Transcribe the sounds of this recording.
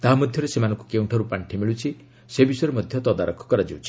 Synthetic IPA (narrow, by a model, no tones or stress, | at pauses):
t̪aɦamɔd̪ʱjɔɾesemanɔŋkukewɳʈʰɔɾupaɳʈʰimiɭut͡ʃʰi | sebisɔjɾemɔd̪ʱjɔt̪ɔd̪aɾɔkʰːɔ̥kɔɾad͡ʒiwt͡ʃʰi̥